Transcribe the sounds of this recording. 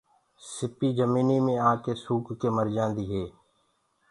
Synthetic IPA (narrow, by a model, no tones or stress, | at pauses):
sɪpiːd͡ʒəmiːniːmẽːãːkeːsuːkːeːməɾd͡ʒãːnd̪iːɦeː